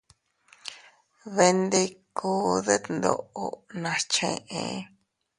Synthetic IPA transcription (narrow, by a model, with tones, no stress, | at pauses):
βe˧nd̪e˧kʰuː˧˦ðe˦t̪nd̪o̰˧˨ʔo˧nã˧t͡ʃḛ̃˧ʔḛ̃˧